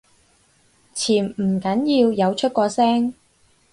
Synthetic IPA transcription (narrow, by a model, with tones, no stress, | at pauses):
t͡sʰiː˨˩n̩˨˩kɐ˨˥njiː˧wjɐ˨˧wt͡ʃʰɵ˥t̚kʷɔː˧sɛː˥ŋ